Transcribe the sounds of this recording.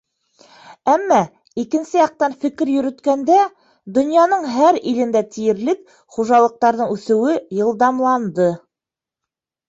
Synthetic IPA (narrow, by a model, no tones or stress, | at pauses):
æmːɑ | ikɘ̆nsɘjɑq̚t̪ɑnfɘ̆kɘɾjɵ̆ɾɵ̆t̪kænd̪æ | d̪ɵ̆njɑnɤɴɦæɾilɘ̆nd̪æt̪ijɘ̆ɾlɘk | χuʒɑlˠɤ̆q̚t̪ɑɾðɤɴʉθɘ̆wɘjɤ̆lˠd̪ɑmlˠɑnd̪ɤ